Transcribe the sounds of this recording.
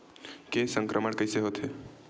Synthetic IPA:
kesə̃ŋkɾʔəməɽkəɪseɦoːt̪ɦe

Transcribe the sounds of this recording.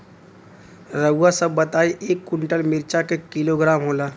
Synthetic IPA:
ɾəɡasəbːət̪aːiʔeːkːʊɳʈəlmɪɾt͡ʃakekɪloɡɾaːmɦoːlaː

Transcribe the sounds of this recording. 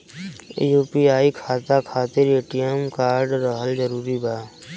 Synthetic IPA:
juːpiaːikʰaːt̪akʰaːt̪ɪɾeːʈijəmkaːɾɖɾəɦəld͡ʒəɾuːɾibʱaː

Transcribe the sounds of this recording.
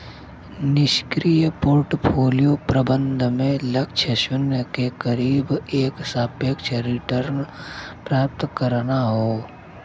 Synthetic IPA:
nɪʃkɾijpoːɾʈpʰoːlijopɾəbə̃nd̪ʱmẽlɐkt͡ʃʰəʃʊnəkekəɾiːbeːksaːpjəkt͡ʃʰəɾɪʈəɾnpɾaːp̚t̪kəɾnaɦoː

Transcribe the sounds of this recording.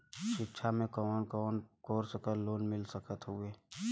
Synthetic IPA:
ʃɪkʃʰamẽkɔːnkɔːnkoːɾsəkəloːnmɪlsəkət̪ɦʊeː

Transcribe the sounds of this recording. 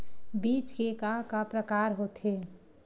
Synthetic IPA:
biːt͡ʃkekakapɾəkaːɾɦot̪ʰɦe

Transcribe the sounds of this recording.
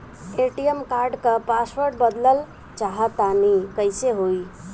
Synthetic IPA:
eʈijəmkaɾɖkəpaswəɾʈbəd̪ləl | t͡ʃaɦat̪anikəjseɦoj

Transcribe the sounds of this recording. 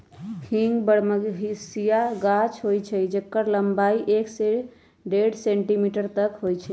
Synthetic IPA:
hʰĩŋɡbəɽməɡɦisijaɡat͡ʃʰɦojt͡ʃʰɛd͡ʒəkːəɾləmbaiʔekse | ɖeɖsẽɳʈimiʈəɾt̪əkɦojt͡ʃʰɛ

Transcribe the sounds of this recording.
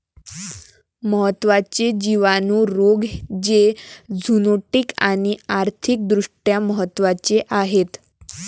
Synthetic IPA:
məɦət̪ːʋat͡ɕed͡ʑiʋanuːɾoɡd͡ʑed͡zʱunoʈikaɽ̃iaɾt̪ʰik̚d̪ɾuʂʈjaməɦət̪ːʋat͡ɕeʔaɦet̪

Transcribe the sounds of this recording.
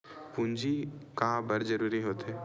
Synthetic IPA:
pũnd͡ʒikaɦãbɐɾd͡ʒəɾuːɾiɦoːt̪eː

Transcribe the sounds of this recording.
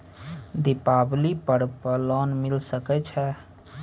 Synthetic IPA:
d̪ɪpaːblipəɽpəlɔːnmɪlsəkɛt͡ʃʰɛː

